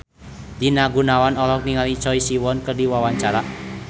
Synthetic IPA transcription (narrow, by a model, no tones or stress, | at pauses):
d̪̥inaɡunawanɔlɔkniŋalit͡ʃɔisiwɔnkərdiwawaɲt͡ʃaɾaʔ